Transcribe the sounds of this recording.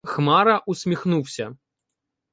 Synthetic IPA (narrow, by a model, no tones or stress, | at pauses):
xmaɾɐʔusʲmʲixnuwsʲɐ